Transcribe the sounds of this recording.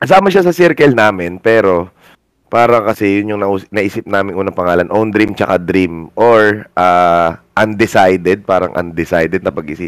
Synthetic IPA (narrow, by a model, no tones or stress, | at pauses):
kɐs̬aːmɐʃasɐsɛɾkɛlnaːmɪnpɛːɾo̞ | paːɾɐŋkɐsɛjʊnjʊŋnɐʔuːsnɐʔiːsɪp̚naːmɪŋʔuːnɐŋpɐŋaːlɐnʔond̪ɾimt͡ʃɐkad̪ɾimʔoɹʔaːʔɐnd̪ɪsajd̪ɛd̪̚paːɾɐ̰ŋʔɐ̰nd̪ɪsajd̪ɛd̪̚nɐpɐɡʔɪsip